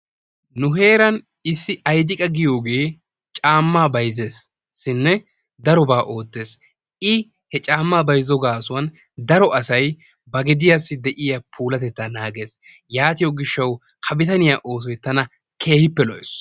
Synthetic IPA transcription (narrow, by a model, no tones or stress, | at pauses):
nʊɦe̞ːɾɐn | ɪsːɪɐjd̪ɪkʼɐɡɪjo̞ːɡe̞ː | t͡ʃʼaːmːaːbɐjze̞ːsː | ɪnːɛ | d̪ɐɾɔbaːʔo̞ːd̪ːe̞ːs | ɪ | hɛt͡ʃʼaːmːaːbɐjzɔɡaːsʊwɐn | d̪ɐɾɔʔɐsɐj | bɐɡɛd̪ɪjasːɪd̪ɛʔɪjapʰuːlɐt̪ɛt̪ːanaːɡe̞ːsjaːt̪ɪjɔɡɪʃːɐw | kʰɐbɪt̪ɐnɪjaːʔo̞ːs̬ɔjt̪ːɐnɐ | kʰe̞ːhɪpːɛlɔʔɛs